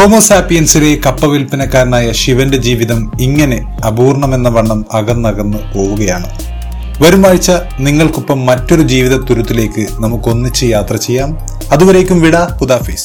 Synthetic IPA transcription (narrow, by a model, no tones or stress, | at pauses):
toːmoːsaːpːijɐnsile̞kɐpːɐʋilpinɐkːaːɾɐnaːjɐʂiʋɐnde̞d͡ʑiːʋiðɐmiŋːɐne̞ | ɐbuːrɳɐme̞nːɐʋɐɳːɐmɐɣɐnːɐɣɐnːɨpo̞ːʋuɣɐjaːɳɨ | ʋɐɾumaːɻit͡ɕːɐ | niŋːɐɭkupːɐmːɐtːo̞ɾud͡ʑiːʋiðɐt̪uɾut̪ːile̞ːkːɨnɐmukːo̞nːit͡ɕːɨjaːt̪rɐt͡ɕe̞jːaːm | ɐðuʋɐɾe̞ːkʲːumʋiɽɐhud̪aːfiːs